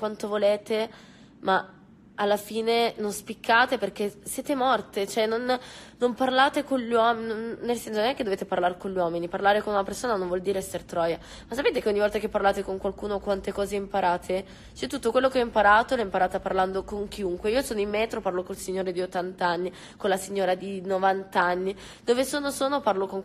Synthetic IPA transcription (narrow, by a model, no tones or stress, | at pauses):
kwant̪ovoleːt̪e | ma | alːafiːnenonspikʰːaːt̪eperk̟esjɛːt̪emɔrt̪et͡ʃoɛnːonnomparlaːt̪ekonʎwɔːmnnonːelsɛnsononɛkːed̪oveːt̪eparlaɾkoɲʎːwɔːminiparlaːɾekonunapersoːnanõɱvɔld̪iːɾeɛsːert̪ɾɔːja | masːapeːt̪ekeɔɲːivɔlt̪ak̟epːarlaːt̪ekoŋkwalkuːnokwant̪ekɔːzeimpaɾaːt̪ʰe | t͡ʃɛt̪ːut̪ːokwelːokeɔimpaɾaːt̪olɛimpaɾaːt̪aparland̪okoŋk̟iuŋkweiːosoːnoimːɛːt̪ɾoparlokolsiɲːoːɾed̪iot̪ːant̪anːi | kolasiɲːoːɾad̪inovant̪anːi | d̪oːvesoːnosoːnoparlokoŋ